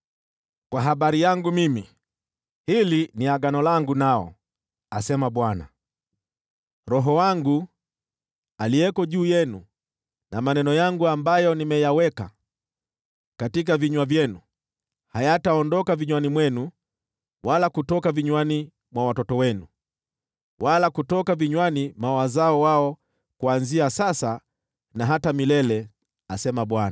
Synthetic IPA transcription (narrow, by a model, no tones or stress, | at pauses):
kwaɦaɓaɾijaŋɡumimi | hiliniaɡanɔlaŋɡunaɔ̰ | asɛmaɓwana̰ | ɾɔɦɔwaŋɡu | aliɛkɔʄuːjɛnu | namanɛnɔjaŋɡuambajɔnimɛjawɛka̰ | katik̬aviɲwavjɛnu | hajataɔndɔkaviɲwanimwɛnu | walakutɔkaviɲwani | mwawatɔtɔwɛnu | walakutɔkaviɲwanimawazaɔwaɔ | kuanziasasa | naɦatamilɛlɛ | asɛmaɓwana